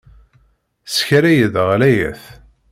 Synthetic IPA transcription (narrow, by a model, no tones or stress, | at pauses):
sçɾæjəðʁlæjæ̰θ